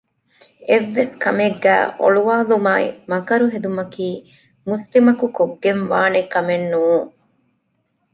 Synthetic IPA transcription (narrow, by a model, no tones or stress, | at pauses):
eʋːeskɐmeɡːæ̰ːʔo̰ɭuʋaːlumaːḭmɐkɐɾuɦed̪umɐkiː | muslimɐkukoɡːenʋaːnekːɐmenːuːŋ